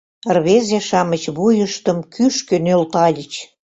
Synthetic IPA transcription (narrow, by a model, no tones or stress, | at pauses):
rβezeʃɑmə̆t͡ɕβujəʃt̪ə̆mkyʃkø̆nølt̪ɑlʲət͡ɕ